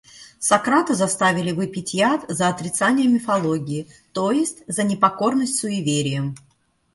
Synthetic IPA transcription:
sɐkɾat̪ɨzɐst̪avʲɪlʲɪvɨpʲɪtʲjat̪zəɐt̪ɾʲɪt̪sanʲɪjəmʲɪfɐlˠoɡʲɪɪ | t̪ojɪsʲtʲzənʲɪpɐko̞rnəsʲtʲsʊɪvʲeɾʲɪjəm

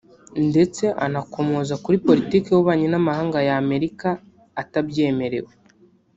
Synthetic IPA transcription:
nde̞t͡se̞ʔanako̞mozakuɾipo̞ɾitiːkewuβaːɲenamahaːŋɡajame̞ɾikaː | tabɟe̞ːme̞ɾe̞̰we

